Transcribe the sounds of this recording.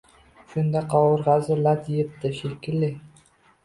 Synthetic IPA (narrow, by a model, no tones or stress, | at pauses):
ʃʊnd̪aqʰɒwʊɾʁazɪlad̪ijɪp̚t̪ɪʃɪlkʲɪlːɪ